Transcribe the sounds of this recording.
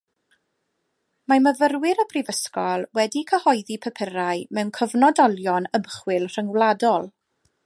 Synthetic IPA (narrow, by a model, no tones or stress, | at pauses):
maməvərwɪɾəbʰrivəskɔlˠwɛdikʰəhɔjðipʰəpʰəɾaɨmɛwnkʰəvnɔdɔlˠjɔnəmχwɪlˠr̥əŋwlˠadɔlˠ